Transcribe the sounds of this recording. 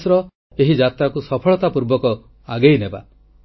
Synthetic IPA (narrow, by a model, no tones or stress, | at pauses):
sɾɔ | eɦid͡ʒat̪ɾakusɔpʰɔɭɔt̪apuɾbɔkɔ | aɡejneba̰